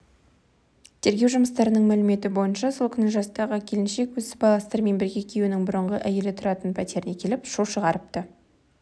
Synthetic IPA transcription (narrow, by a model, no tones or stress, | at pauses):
t̪ʰe̞ɾɡʲewʒʊməst̪ɑɾənəɴmælɪme̞t̪ɪbo̞jənʃɑso̞lˠkʲʰʏnɪʒɑst̪ɑʁəkʲʰe̞lɪnʃe̞kwɵzɪ̥bɑlˠɑst̪əɾme̞nbɪɾɡʲe̞kʲʰe̞junɪŋbʊɾəɴʁəʔæje̞lɪt̪ʰʊɾɑt̪ənpʰæt̪e̞ɾɪnekʲʰe̞lɪpʃoʃəʁɑɾəp̚t̪ə